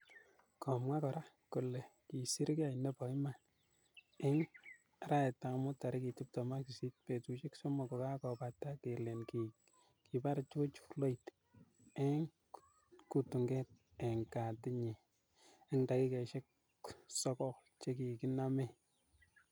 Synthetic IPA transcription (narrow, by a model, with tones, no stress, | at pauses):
kɔ˨mŋa˦kɔ˨ɾa˦ | ku˨le˨ki˨si˦ɾka˦˨inɛ˦pɔ˨i˦ma˨n | ɪ˦ŋ | ɾa˦ɛ˨ta˨mʊ˦ta˨ɾɪ˦ki˨ti˦p̚tɔ˨ma˦ki˨si˦t̚pe˨tu˨t͡ʃɪ˦ksɔ˦mɔ˨kɔ˨ka˦kɔ˨pa˨tːa˦ke˨le˨nki | ki˨pa˦ɾt͡ʃo˦t͡ʃu̥˦lo˦it | e˦ŋ | ku˨tu˨ŋɡɛ˦t̚ | e˨ŋka˨tɪ˦ɲi˨ | e˦ŋda˨ki˦kɛ˨ʃɛ˦k̚ | sɔ˦kɔ˦kt͡ʃe˦ki˨ki˦na˦mɛ˦